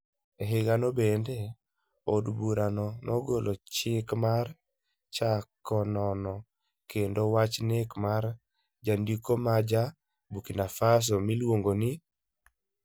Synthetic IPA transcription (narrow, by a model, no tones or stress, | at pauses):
eɦeɡanobende | odbuɾanɔnɔɡolʔot͡ʃɪkmar | t͡ʃakɔnɔnɔ | kendowat͡ʃnekmaɾ | d͡ʒandikomad͡ʒa | bukinafas̬ɔmilwoŋɡonɪ